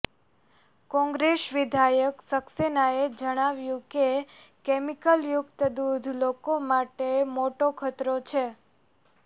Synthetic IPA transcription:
kɔ̃ŋɡɾesʋɪd̪ʱajəksəksenaed͡ʒəɽ̃aʋjũke | kemikəljʊkt̪əd̪ud̪ʱlokomaʈemoʈokʰət̪ɾot͡ʃʰe

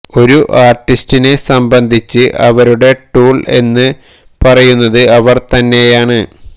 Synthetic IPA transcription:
o̞ɾuʔaːrʈːistine̞sɐmbɐnd̪ʱit͡ɕːɨʔɐʋɐɾuɽe̞ʈuːɭe̞nːɨ | pɐrɐjunːɐðɨɐʋɐrt̪ɐnːe̞jaːɳɨ

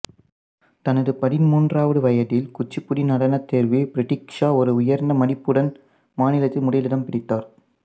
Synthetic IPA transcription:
t̪ɐnɐðɯpɐðɪnmuːndraːʋɐðɯʋɐjɐðɪlkʊt͡ʃːɪpːʊɽinɐɽɐnɐt̪ːeːɾʋibɪɾɪʈːɪkʂaːɔɾɯʊjɐɾnd̪ɐmɐnɪpːɯɽɐn | maːnɪlɐt̪ːɪlmʊɽɐjlɪɽɐmpɪɽɪt̪ːaːɾ

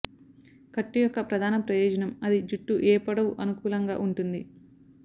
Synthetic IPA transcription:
kɐʈːujɔkːɐpɾɐd̪ʱaːnɐpɾɐjɔːd͡ʒɐnɐmɐd̪id͡ʒuʈːuʔɛːpɐɽɐʋuʔɐnukuːlɐŋɡa̰ːʔuɳʈund̪i

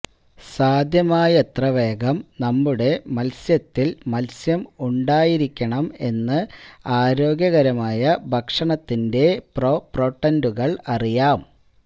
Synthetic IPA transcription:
saːd̪ʱjɐmaːjɐt̪rɐʋe̞ːɡɐmnɐmːuɽe̞mɐlsjɐt̪ːilmɐlsjɐmuɳɖaːjiɾikʲːɐɳɐme̞nːɨaːɾo̞ːɡjɐɣɐɾɐmaːjɐbʱɐkʂɐɳɐt̪ːinde̞propro̞ːʈːɐnduɣɐɭɐrijaːm

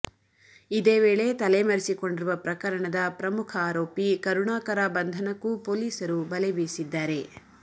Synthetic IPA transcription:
id̪eːʋeːɭe̞t̪ɐlemɐɾisiko̞ɳɖiɾuʋɐpɾɐkɐɾɐɳɐd̪ɐpɾɐmukʰɐaːɾoːpikɐɾuɳaːkɐɾabɐnd̪ʱɐnɐkːupo̞ːliːsɐɾubɐlebeːsid̪ːaːɾe̞

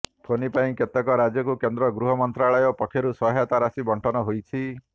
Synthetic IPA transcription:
pʰonipaĩket̪ɔkɔɾad͡ʒjɔkukend̪ɾɔɡɾuɦɔmɔnt̪ɾaɭɔjɔpɔkʰjɔɾusɔɦjat̪aɾasibɔɳʈʰɔnɔɦojt͡ʃʰi

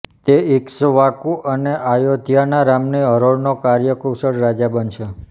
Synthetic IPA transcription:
t̪eiksʋakũʔəneʔajod̪ʱijanaɾamniəɾoɭnokaɾjəkowsəɽɾad͡ʒabənʃʰe

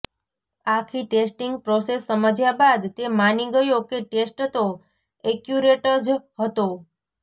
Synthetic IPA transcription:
akʰiʈesʈiŋɡ̚pɾosesːəməd͡ʒjabad̪t̪emaniɡəjokeʈesʈt̪o | ɛkjuɾeʈəɾd͡ʒɦət̪o

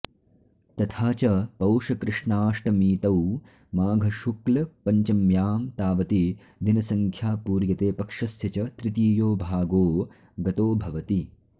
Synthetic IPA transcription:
t̪ɐt̪ʰaːt͡ʃɐpɐwʂɐkɾɪʂɳaːʂʈɐmiːt̪ɐw | maːɡʱɐʃuklɐpɐɲt͡ʃɐmjaːmt̪aːʋɐt̪i | d̪inɐsɐŋkʰjaːpuːɾjɐt̪eːpɐkʂɐsjɐt͡ʃɐt̪ɾɪt̪iːjoːbʱaːɡoː | ɡɐt̪oːbʱɐʋɐt̪i

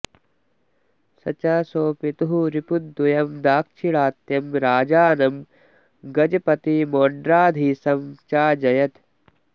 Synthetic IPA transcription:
sɐ̰t͡ʃaːsoːpit̪uɦuɾipud̪ːujɐmd̪aːkʃʰiɭaːt̪jɐmɾaːd͡ʒaːnɐm | ɡɐd͡ʒɐpɐt̪imoːɳɖɾaːd̪ʱisɐmt͡ʃaːd͡ʒɐjɐt̪

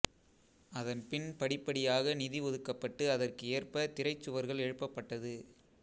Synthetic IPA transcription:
ɐðɐnpɪnpɐɽɪpːɐɽɪjaːɣɐnɪðiʋɔðɯkːɐpːɐʈːɯɐðɐrkɯeːɐrpɐt̪ɪɾɐɪt͡ʃːɯʋɐɾɣɐɭɛɻɯpːɐpːɐʈːɐðɯ

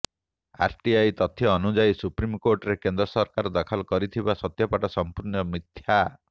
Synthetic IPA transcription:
a̰ɾʈiajt̪ɔt̪ʰjɔːnud͡ʒajsupɾimkoɾʈɔɾekend̪ɾɔsɔɾkaɾɔd̪akʰɔlɔkɔɾit̪ʰibasɔt̪jɔpaʈɔsɔmpuɾnɔmit̪ʰja

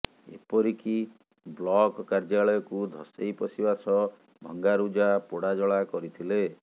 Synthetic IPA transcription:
ḛpɔɾiki | blɔkkaɾd͡ʒaɭɔjɔkud̪ʱɔ̰sejpɔsibasɔ | bʱɔŋɡaɾud͡ʒapoɽad͡ʒɔɭakɔɾit̪ʰile

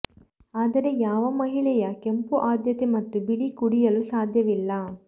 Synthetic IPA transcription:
aːd̪ɐɾe̞jaːʋɐmɐɦiɭɛjɐkempuʔaːd̪jɐt̪emɐt̪ːubiɭikuɽijɐlusaːd̪ʱjɐʋilːɐ

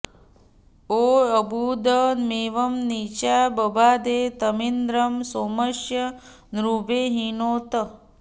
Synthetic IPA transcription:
oːəbud̪əmeːʋɐmnit͡ʃabɐbʱaːd̪eːt̪əmind̪ɾɐmsoːmɐʃjɐ | nɾubeːɦinoːt̪ɐ

